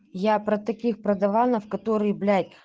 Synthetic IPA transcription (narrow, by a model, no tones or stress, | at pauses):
japɾɐt̪ɐkʲixpɾɐd̪ɐvanəfkɐt̪oɾɨjəblʲatʲ